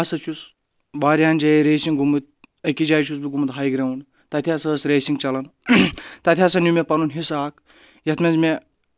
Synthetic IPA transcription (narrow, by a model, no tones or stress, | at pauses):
asɐt͡ʃʰus | ʋaːɾʲaːnd͡ʒɐjɾeːsiŋɡumɨt̪̚ | ɐkid͡ʒaːjt͡ʃʰus̬biɡumɨt̪ɦaːjɡɾɐwun | t̪ɐt̪ʰʲaːsɐːsɾeːsiŋɡt͡ʃɐlɐn | t̪ɐt̪ʰʲaːsɐnʲumepɐnunɦisaːk | jɐt̪mʲɐnzme